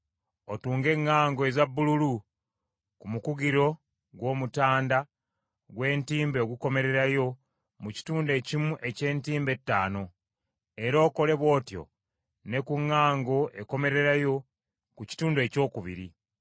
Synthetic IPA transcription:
otuːŋɡe̞ŋːaːŋɡoezabːululu | kumukuɡiɾo̞ | ɡwo̞ːmutaːnda | ɡwe̞ːntiːmbe̞ːɡuko̞me̞ɾe̞ɾajo̞ | muci̥tuːnde̞cimuʔe̞ce̞ːntiːmbe̞tːaːno̞ | e̞ɾo̞ːko̞le̞βwo̞ːtjo̞̰ | ne̞kuŋːaːŋɡo̞ʔe̞ko̞me̞ɾe̞ɾajo̞ | kuci̥tuːndue̞ːco̞ːkuβḭɾi

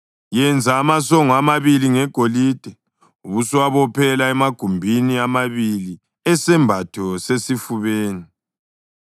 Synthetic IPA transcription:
jɛnd͡zʱaːmasɔŋɔamaβiliŋɛɡ̥ʱoliːd̥ʱɛ | uβuswaβɔpʰɛlaɛmaɡ̥ʱumbʱiniamaβili | ɛsɛmbʱatʰɔsesifuβeːni

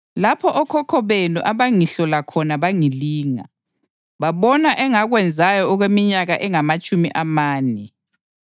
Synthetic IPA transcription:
lapʰɔʔɔkʰɔkʰɔβenuʔaβaŋiɬɔlakʰɔnaβaŋiliːŋa̰ | βaβɔnaʔɛŋaɣwɛnd͡zʱajɔɔɣwemiɲaɣaʔɛŋamat͡ʃʼumḭʔamaːnɛ

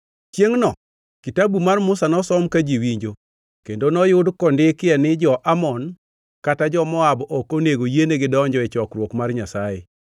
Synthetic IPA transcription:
t͡ʃjeŋnɔ | kitabumarmʊsanɔsɔmkad͡ʒiwiɲd͡ʒo | kendonɔjʊdkɔndɪkɪɛnɪd͡ʒɔʔamɔn | katad͡ʒɔmɔabɔkoneɡojeneɡɪdɔɲd͡ʒɔɪt͡ʃɔkɾwokmarɲasaḛ

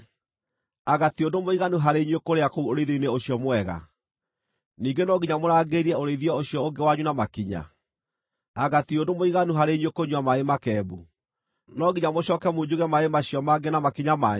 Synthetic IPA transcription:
aɣatodomoiɣanuɦaɾeiɲwekoɾeakouoɾeiðoineoɕiɔmwɛɣa̰ | niːɡenɔɡiɲamoɾaːɡeɾiɛoɾeiðiɔoɕjɔoɡewaɲunamakiɲa̰ | aɣationdomoiɣanuɦaɾeɲwekoɲwamaemakɛːbu | nɔɡiɲamoɕɔːkɛmod͡ʑuɣɛmaemaɕiɔmaɡenamakiɲama

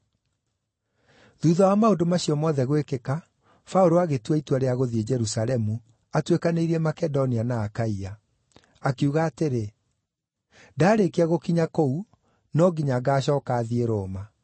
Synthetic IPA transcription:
ðuːðɔwamaodomaɕiɔmɔːðɛɣwekeka | fauɾoaɣetwaitwaɾeaɣoðied͡ʒɛɾusalɛmu | atwekaneiɾiɛmakɛdɔnianaːkaia | akeuɣaːteɾe | daːɾekeaɣokiɲakou | nɔɡiɲaɡaːɕ̬ɔːkaːðieɾoːma

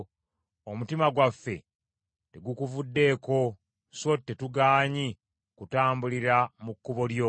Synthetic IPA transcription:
omutimaɡwafːe̞ | te̞ɡukuvudːe̞ːko̞ | sotːetuɡaːɲi | kutaːmbuliɾamukːuβo̞ljo

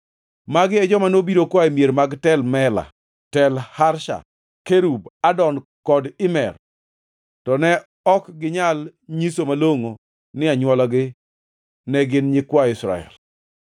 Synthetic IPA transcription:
maɡɪɛd͡ʒɔmanobiɾokwaemjeɾmaɡtɛlmɛla̰ | tɛlhaɾʃa̰ | keɾubadɔn | kɔdɪmɛr | tɔnɛ | ɔkɡɪɲalɲisomaloŋo | nɪaɲwɔlɔɡɪ | nɛɡɪnɲɪkwaɪsɾa̰ɛ̰l

